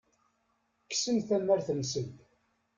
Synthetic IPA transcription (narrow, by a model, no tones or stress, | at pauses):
kːsənθæmːæɾθənsənd̪